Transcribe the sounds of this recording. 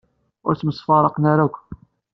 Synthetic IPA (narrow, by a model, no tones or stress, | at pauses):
ʊ̰ɾt͡sːməsfɑrˤɑqnaɾækʷ